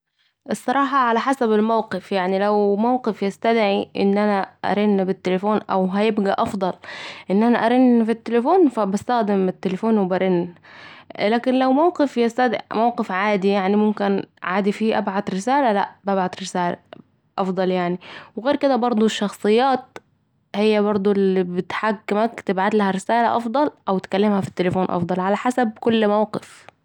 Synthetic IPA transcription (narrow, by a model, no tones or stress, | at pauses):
ʔɨsˤːɑɾˤɑːħɑʕalaħasabɪlmawqɪfjaʕnilawmawqɪfjɪst̪ad̪ʕiʔɪ̰nːʔanaʔa̰ɾɪnːbɪt̪ːelafoːnʔa̰wɦajɪbɡaʔɑfd̪ˤɑlʔɪnːʔanaʔaɾɪnːfit̪ːelafoːnfabast̪axd̪ɪmɪt̪ːelafoːnwɪbaɾɪnː | laːkɪnlawmawqɪfjɪst̪ad̪mawqɪfʕaːd̪ijaʕnimʊmkɪnʕaːd̪ifiːʔabʕad̪ɾɪsaːlala̰ʔbabʕad̪ɾɪsaːla̰ | ʔɑfd̪ˤɑljaʕniwɣeːɾkɪd̪abɑɾˤd̪ˤuʃːɑxsˤɨjːaːt̪̚ | hɪjːabɑɾˤd̪ˤulibɪt̪ħakːɪmakt̪ɪbʕat̪lahaɾɪsaːla̰ʔɑfd̪ˤɑlʔawt̪kalːɪmhafi̥t̪ːelfoːnʔɑ̰fd̪ˤɑlʕalaħasab̚kʊlːmawqɪf